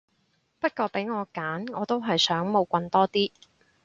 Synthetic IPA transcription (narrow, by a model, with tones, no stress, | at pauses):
pɐ˥t̚kɔː˧pe˨˥jŋɔː˨˧kaː˨˥nŋɔː˨˧t̪o˥wɦɐ˨jsœː˨˥ŋmo˨˧wkʷɐ˧nt̪ɔː˥t̪iː˥